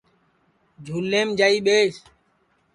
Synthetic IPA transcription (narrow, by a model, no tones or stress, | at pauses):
d͡ʒʱuːlːeːmd͡ʒaːiːɓeːs